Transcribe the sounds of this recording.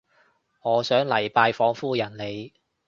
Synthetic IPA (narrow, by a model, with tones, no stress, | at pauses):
ŋɔː˨˧sœː˨˥ŋlɐ˨˩jpaː˧jfɔː˨˥ŋfuː˥jɐ˨˩nle˨˧j